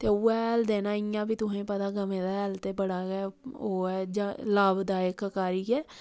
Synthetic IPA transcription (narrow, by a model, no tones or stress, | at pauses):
t̪eːuɛɛːld̪eːnaːɪjãːbiːt̪ʊɦẽːpət̪aːɡəmẽːd̪aːɛːlt̪eːbəɽaːɡɛːoːɛːd͡ʒalaːbd̪aːɪkkaːɾiːɛː